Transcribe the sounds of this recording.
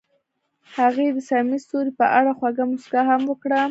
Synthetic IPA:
haɣed̪əsaɾmist̪oɾipəʔaɽaxwaɡamʊskaɦamwəkɽa

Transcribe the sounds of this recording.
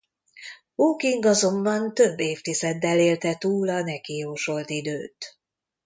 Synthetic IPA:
boːkiŋɡɒzo̞mbɒnt̪ø̞bːeːft̪izɛd̪ːɛleːlt̪ɛt̪uːlɒnɛkijoːʃo̞lt̪id̪øːt̪

